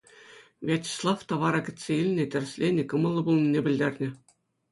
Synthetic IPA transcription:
vʲɑtʲi̥slˠɑft̪ɑʋɑɾɑkʲɘ̆t̪ʲsʲeilʲnʲĕtʲɘ̆r̆ʲsʲlʲenʲɘ̆kɤ̆mɤ̆lˠːɤ̆bulˠnʲinʲebʲɘ̆lʲd̪ʲerʲnʲɘ̆

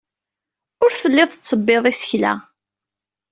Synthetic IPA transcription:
ʊɾθəlːɪðˤt͡sːəbːeðˤisə̥çlæ̰

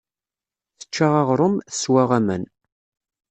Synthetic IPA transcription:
θə̥t͡ʃːaʁaʁɾˤʊmθəswaʁamən

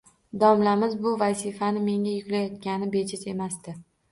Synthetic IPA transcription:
d̪ɒmlamɪzbʊvasɪfanɪme̞ŋʲajʊkʲlajɒt̪̚kʲanɪbe̞t͡ʃʰɪt̪e̞masd̪ɪ

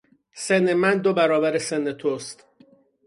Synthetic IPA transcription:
senemænd̪obæɾɒːbæɾesenːet̪ʰost̪

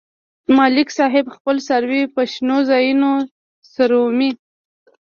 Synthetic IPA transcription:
mɑlɪksɑɦɪbxpəlsaɾwipaʃnozɑjuno | saɾomi

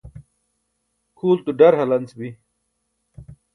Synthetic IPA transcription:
kʰuːlt̪uɖɐɾɦɐlɐnsbi

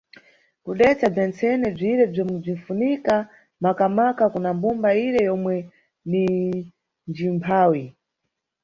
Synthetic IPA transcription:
kuɗɛt͡sab͡ʐɛnt͡sɛnɛb͡ʐiɾɛb͡ʐɔmub͡ʐiɱ̩funika | makamakakunambumbaiɾɛjɔmwɛ | ni | nd͡ʒimpʰaːwi

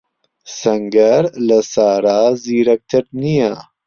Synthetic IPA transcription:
sɐŋɡɐɾlɐsaːɾaːziɾɐk̚t̪ʰɐɾnijaː

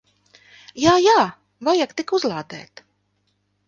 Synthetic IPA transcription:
jaːjaː | vajakt̪ikuzlˠaːd̪ɛ̰ːt̪

